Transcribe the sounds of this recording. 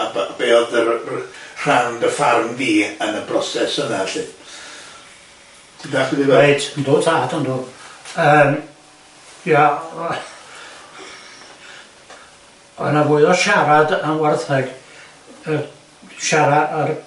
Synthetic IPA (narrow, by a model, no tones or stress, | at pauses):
abb̥eːɔðə | r̥awndəfarmɡiːənəbrɔsɛsənaɬɪn | tʰidaχiðiejtʰəndo̥ːtʰaːdɔndoːəm | ja | ɔ̰navʊɨðɔʃaɾadanwɛrθɛɡ̥ | ə | ʃaɾaar